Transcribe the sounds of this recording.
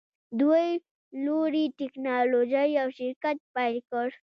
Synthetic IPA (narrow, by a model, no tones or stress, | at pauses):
d̪waj | loɽiʈɪknɑlod͡ʒajawʃɪɾkat̪̚pajlkəɽ